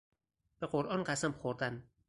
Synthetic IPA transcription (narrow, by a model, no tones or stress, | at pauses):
b̥eɢoɾʔɒːnɢæsæmbxoɾd̪æn